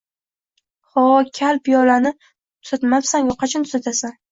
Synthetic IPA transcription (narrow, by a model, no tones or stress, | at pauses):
χɒkʲʰalpjɒlanɪ | t̪ʰʊ̥at̪mapsanjɒqʰɑt͡ʃʰant̪ʰʊ̥sat̪ʰasan